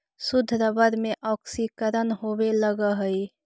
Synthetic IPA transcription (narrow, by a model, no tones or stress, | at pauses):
sʊd̪ʱːɾəbəɾmẽʔɔːksikəɾənɦoweləɡəɦəi